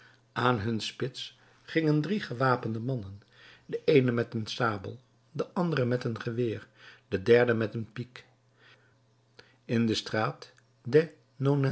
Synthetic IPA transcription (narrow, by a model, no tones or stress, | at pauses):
ʔaːnɦɵnspɪts | χɪŋəndriχəʋaːpəndəmɑnən | dəʔejnəmɛtənsaːbə̰lˠ | dəʔɑndərəmɛtənχəʋɪːɹd̥ədɛɹdəmɛtənpik | ɪndəstraːt | de | nona